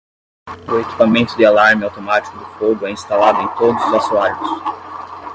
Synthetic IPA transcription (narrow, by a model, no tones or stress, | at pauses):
ʊeki̥pamẽnt̪ʊd̪ɪalaɾmɪawt̪omat͡ʃi̥kʊd̪ʊfoɡʊɛĩst̪alad̪ʊẽj̃t̪od̪ʊzʊzasuaɾjʊs